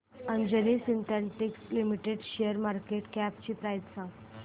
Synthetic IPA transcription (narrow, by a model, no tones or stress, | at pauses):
əɲd͡ʑəniːsint̪ʰɛ̃ɳʈikslimiʈeɖɕejəɾmaɾkeʈkæp̚t͡ɕiːpɾajt̪sã